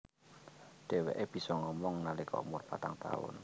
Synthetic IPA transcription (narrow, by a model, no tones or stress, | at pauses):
ɖ̪̥e̤wḛʔeb̥i̤sɔŋɔmɔŋnalikʰɔ̰mʊrpat̪aŋt̪a̰ʊ̰n